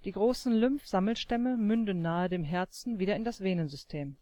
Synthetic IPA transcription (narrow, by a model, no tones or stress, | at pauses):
d̥iːɡʁoːsn̩lʏmfz̥aml̩ʃtɛməmʏndn̩ːaːədeːmɦɛɐt͡sn̩viːdɾɐɪndasv̥eːnənzʏstʰeːm